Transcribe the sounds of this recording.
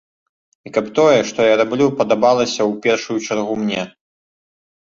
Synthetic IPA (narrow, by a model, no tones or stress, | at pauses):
ikɐpt̪ɔjɛʂt̪ɔjaɾablʲupɐd̪abalˠɐsʲɐwpʲɛrʂujut͡ʂarɣumnʲɛ